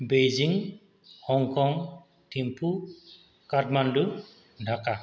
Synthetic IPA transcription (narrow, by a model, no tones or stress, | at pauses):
bejziŋ | hɔŋkɔŋ | tʰimpʰu | katmandu | dʱaka